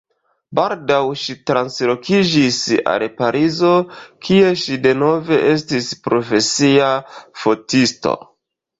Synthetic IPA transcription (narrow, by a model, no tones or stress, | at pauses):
baldawʃitɾanslo̞kid͡ʒisa̰lepaɾʔizo̞kʰie̞ʃide̞no̞ve̞ʔe̞s̬tispɾo̞fe̞siafo̞tisto̞̰